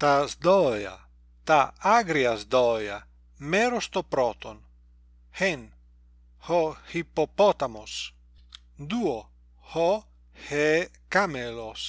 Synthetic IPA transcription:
t̪azd̪ɔja̰ | t̪aaɡɾiazd̪ɔja̰ | meɾost̪opɾɔt̪on | hen | hohipopɔt̪amos | d̪uo | hɔ | hekamelos

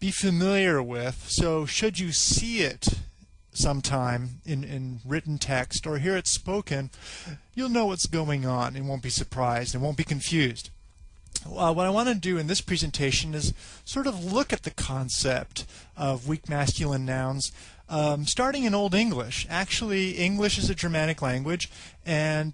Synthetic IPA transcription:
b̥ifɨmɪlˠjə˞wɪð̥soʊʃɨd͡ʒɨsiɪt | sʌ̃mtʰãɪ̃mɪ̃nɪ̃nɹɪʔn̩tʰɛkstə˞ɦiɹɨtspoʊkɨ̃njɨlˠnoʊwʌtsɡ̥oʊɪ̃ŋə̃nɨ̃n̚wõʊ̃nb̥isə˞pʰɹ̥aɪzdɨ̃ntwõʊ̃nb̥ikɨ̃ɱfjʉzd̥ | wʌɾaɪwɑ̃ñɨɨdɨɨ̃nðɪspʰɹ̥ɛzɨ̃ntʰeɪʃɨ̃nɨz̥sɔɹɾʌvlʊkɨt̪̚ðɨkʰɑ̃nsɛp̚t | ʌvwik̚mæskjl̩ˠə̃nːãʊ̃nz̥ | stɑɹɾɪ̃ŋɨ̃noʊlˠdɪ̃ŋɡlɪʃæk̚t͡ʃul̩ˠiɪ̃ŋɡlɨʃɨzɨd͡ʒə˞mæɾɨklæ̃ŋɡwɨd͡ʒ | ɨ̃n

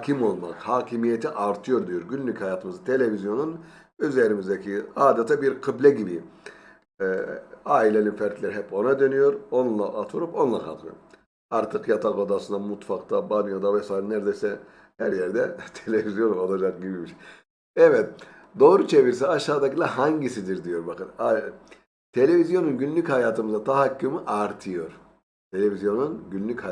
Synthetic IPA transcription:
hkʰimo̞lˠmakhaːcʰimijet̪ʰiʔaɾt̪ʰɯjo̞ɾd̪ijo̞ɾɟynlʲychajaːt̪ɯmɯzɯt̪ʰe̞lʲevizjo̞nun | øzeɾimizd̪ɛcʰiaːd̪at̪ʰabiɾqʰɯblʲɛɟibi | aːilʲɛlʲinfæɾt̪lʲeɾiɦɛpo̞nad̪ø̞nyjo̞ɾo̞nnlˠaʔat̪ʰuɾupo̞nlˠakʰa̰k̪lˠɯ̰o | aɾt̪ʰɯkjat̪ʰakod̪asɯnd̪amut̪fakt̪ʰabanijod̪avɛsaːjɾinæɾd̪ejsɛ | hæɾjæɾd̪ɛt̪ʰelʲevizjo̞nolˠad͡ʒak̚ɟibimiʃ | ɛvɛt̪̚ | d̪o̞ːɾut͡ʃʰe̞viɾs̬ɛaʃaːd̪acilˠaɦaɲɟisid̪iɾd̪ijo̞ɾbakɯna | t̪ʰe̞lʲe̞vizjo̞nunɟynlʲychajaːt̪ʰɯmɯzat̪ʰaɦakːɯmɯʔaɾt̪ʰɯjo̞ɾ̥ | t̪ʰe̞lʲevizjo̞nunɟynlʲycha

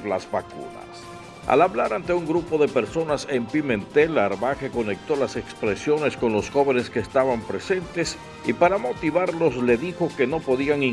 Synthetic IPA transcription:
lazβakṵna̰s | a̰laβlaɾant̪e̞uŋɡɾupo̞ðe̞pe̞ɾso̞nase̞mpimẽ̞nt̪e̞laɾmaxe̞ko̞ne̞k̚t̪o̞lase̞kspɾe̞sjo̞ne̞sko̞nlo̞sxo̞βe̞neske̞ːst̪aβampɾe̞se̞nt̪e̞s | ipaɾamo̞t̪iβaɾlo̞sle̞ðixo̞ke̞no̞po̞ðiaŋi

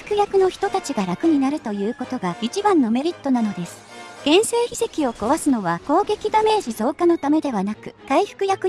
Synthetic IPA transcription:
ɯ̥kɯ̟jakɯ̟no̞çi̥t̪o̞t̪at͡ɕiɡaɾakɯ̟ɲ̟inaɾɯ̟t̪o̞jɯ̟ːko̞t̪o̞ɡait͡ɕibãnːo̞me̞ɾʲit̪ːo̞nano̞d̪e̞sɨ̥ɡ̥ẽ̞ɰ̃seːçise̞kʲio̞ko̞βasɨno̞βako̞ːɡe̞kʲid̪ame̞ːʑizo̞ːkano̞t̪ame̞d̪e̞βanakɯ̟̥kaiɸɯ̟̥kɯ̟jakɯ̟

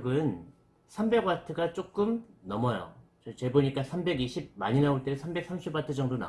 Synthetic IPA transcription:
ɡɯn | sʰambe̞ɡwatʰɯɡat͡ɕ͈ok͈ɯmnʌmʌjo̰ | t͡ɕʌt͡ɕe̞boɲik͈asʰambe̞ɡiɕʰib̚maɲinaoɭt͈esʰambe̞k̚s͈ʰamɕʰibwatʰɯd͡ʑʌŋdona̰

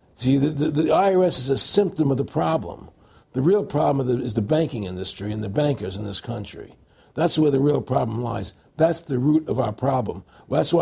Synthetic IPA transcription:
siðɨðɨðiaɪəɛsɨzɨsɪ̃mp̚tɨ̃mʌvðəpʰɹ̥ɑblə̰̃m | ðɨɹilˠpʰɹ̥ɑblə̃mʌðɨɪzðɨbæ̃ŋkɪ̃ŋɪ̃ndɨstɹ̥iɨ̃nðɨbæ̃ŋkə˞zɨ̃nðɪskʰʌ̃nt͡ʃɹ̥ḭ | ðætswə˞ðɨɹilˠpʰɹ̥ɑblə̃mla̰ɪz | ðætsðɨɹʉɾʌvaʊə˞pʰɹ̥ɑblə̰̃m | ðætswa

